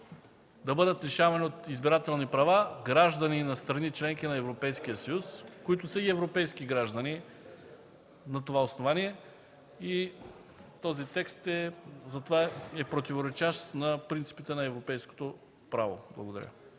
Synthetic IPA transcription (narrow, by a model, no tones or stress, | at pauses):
d̪ɐbɤd̪ət̪ɾɛʃavɐniot̪izbiɾat̪ɛlˠnipɾɐvaɡɾaʒd̪ɐninɐst̪ɾɐnit͡ʃlɛŋkinɐɛvɾopɛjskijəsɐjuskoit̪ʊsəiɛvɾopɛjskiɡɾaʒd̪ɐni | nɐt̪ovaosnovaniɛ | i | t̪ɔzit̪ɛkst̪ɛzɐt̪ovaɛpɾot̪ivoɾɛt͡ʃaʃt̪nɐpɾint̪si̥pit̪ɛnɐɛvɾopɛjsko̥t̪o | pɾavo̰blˠɐ̰ɡod̪ɐ̰ɾʲə̰